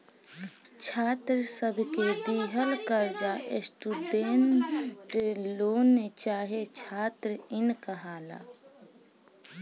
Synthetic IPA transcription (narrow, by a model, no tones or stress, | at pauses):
t͡ʃʰaːt̪ɾsəbʱked̪iːɦəlkəɾd͡ʒaʔesʈ̪ud̪eːnʈɾeloːnːet͡ʃaːɦet͡ʃʰaːt̪ɾɪnkəɦaːla̰ː